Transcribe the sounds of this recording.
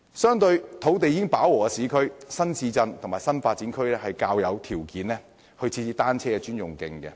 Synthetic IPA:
sœː˥ŋt̪ɵ˧ɥt̪ʰo˨˥wt̪e˨jːɪ˥ŋpaː˨˥wɔː˨ɛ˧siː˨˧˥kʰɵ˥ɥsɐ˥nsiː˧t͡sɐ˧nt̪ʰʊ˨˩ŋmaː˨˩jsɐ˥nfaː˧t̚t͡si˨˥nkʰɵ˥ɥlɛː˥hɐ˨jkaː˧wjɐ˨˧wt̪ʰiː˨˩wkiː˨˥nlɛː˥ | hɵ˧ɥt͡sʰiː˧t͡siː˧t̪aː˥nt͡sʰɛː˥kɛ˧t͡ʃyː˥njʊ˨ŋkɪ˨ŋkɛ̰˧

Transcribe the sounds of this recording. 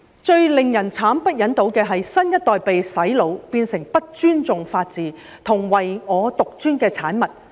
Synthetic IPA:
t͡ʃɵ˧ɥlɪ˨ŋjɐ˨˩nt͡sʰaː˨˥mpɐ˥t̚jɐ˨˥nt̪o˨˥wkɛː˧ɦɐ˨jsɐ˥njɐ˥t̚t̪ɔː˨jpe˨jsɐ˨˥jlo˨˧wpiː˧nsɪ˨˩ŋpɐ˥t̚t͡ʃyː˥nt͡sʊ˨ŋfaː˧t̚t͡siː˨ | t̪ʰʊ˨˩ŋwɐ˨jŋɔː˨˧t̪ʊ˨k̚t͡ʃyː˥nkɛː˧t͡sʰaː˨˥nmɐ˨˩t̚

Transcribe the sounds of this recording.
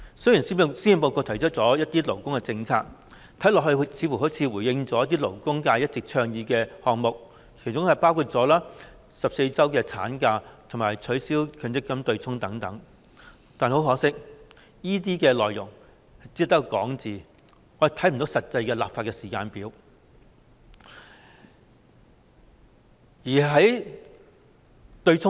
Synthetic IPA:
sɵ˥jiː˨˩nsiː˥si˥i˨npo˧wkɔː˧t̪ʰɐ˨˩jt͡ʃʰœ˥t̚t͡sɔː˨˧˥jɐ˥t̪iː˥lo˨˩wkʊ˥ŋkɛ˧t͡sɪ˧ŋt͡sʰa̰ː˧k̚ | t̪ʰɐ˨˥jlɔ˨k̚hɵ˧ɥt͡sʰiː˨˧fu˨˩ho˨˥wt͡sʰiː˨˧wuː˨˩jɪ˧ŋt͡sɔː˦jɐ˥t̪̬iː˥lo˨˩wkʊ˥ŋkaː˧jɐ˥t̚t͡sɪ˨k̚t͡ʃʰœː˧ŋjiː˨˧kɛː˧hɔː˨ŋ̚mʊ˨k̚ | kʰe˨˩jt͡sʊ˥ŋhɐ˨˩jpaː˥wkʰu˧t̚t͡sɔː˨˥laː˥ | sɐ˨p̚se˧jt͡sɐ˥wkɛː˧t͡sʰa̰ː˨˥nkaː˧t̪ʰʊ˨˩ŋmaː˨˩jt͡ʃʰɵ˨˥siː˥wkʰœː˨˧ŋt͡sɪ˥kːɐ˥mt̪ɵ˧ɥt͡sʰʊ˥ŋt̪ɐ˨˥ŋt̪ɐ˨˥ŋ | t̪aː˨nho˨˥wɦɔː˨˥sɪ˥k̚ | jiː˥t̪̬iː˥kɛː˧lɔː˨jʊ̰˨˩ŋ | hɐ˨jt͡siː˧˥t̪ɐ˥kkɔ̰ː˨˥ŋt͡siː˨˩ | ŋɔː˨˧je˨˩t̪ʰɐ˨˥jm˨˩t̪o˨˥wsɐ˨t̚t͡sɐ˧jkɛː˧la̰ː˨pfaː˧t̚kɛː˧siː˨kaː˧npiː˨˥w | jiː˨˩ɦɐ˨˥j | t̪ɵ˧ɥt͡sʰʊ˥

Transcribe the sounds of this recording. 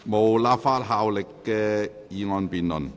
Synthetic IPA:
mo˨wlaː˧˥p̚faː˧˥t̚ɦaː˧wlɪ˨kːɛː˧ | jiː˨˧ŋɔː˧npiː˨nlɵ̰˨˩n

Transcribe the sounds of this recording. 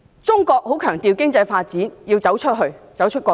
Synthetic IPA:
t͡sʊ˥ŋkɔː˧k̚ho˨˥wkʰœː˨˩ŋt̪iː˨wkɪ˥ŋt͡sɐ˧jfaː˧t̚t͡siː˨˥njiː˧wt͡sɐ˨˥wt͡ʃʰɵ˥t̚ɦɵ˧ɥt͡sɐ˨˥wt͡ʃʰɵ˥t̚kʷɔː˧

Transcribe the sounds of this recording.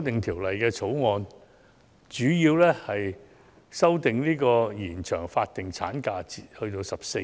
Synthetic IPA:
t̪ɪ˨ŋt̪ʰiː˨˩wlɐ˨jkɛː˧t͡sʰo˨˥wŋɔː˧n | t͡ʃyː˨˥jiː˧wlɛː˥hɐ˨j | sɐ˥wt̪ɪ˨ŋniː˥kɔː˧jiː˨˩nt͡ʃʰœː˨˩ŋfaː˧t̚t̪ɪ˨˩ŋt͡sʰa̰ː˨˥nkaː˧t͡siː˨t̚hɵ˧ɥt̪o˧wsɐ˨p̚se˧

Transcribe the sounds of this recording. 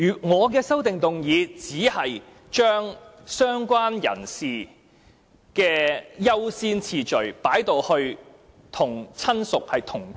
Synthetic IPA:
yː˨˩ŋɔː˨˧k̬ɛː˧sɐ˥wt̪ɪ˨ŋt̪ʊ˨ŋjiː˨˧t͡siː˨˥hɐ˨j | t͡ʃœː˥ŋ | sœː˥ŋkʷaː˥njɐ̰˨˩nsiː˨ | kɛː˧jɐ˥wsiː˥nt͡sʰiː˨t͡ʃɵ˨˩ɥpaː˨˥jt̪o˧whɵ˧ɥ | t̪ʰʊ˨˩ŋt͡sʰɐ˥nsʊ˨k̚hɐ˨jt̪ʰʊ˨˩ŋ

